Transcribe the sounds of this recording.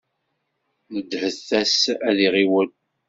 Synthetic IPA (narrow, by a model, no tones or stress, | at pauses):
nəd̪ːhəθːæsæðiʁiwən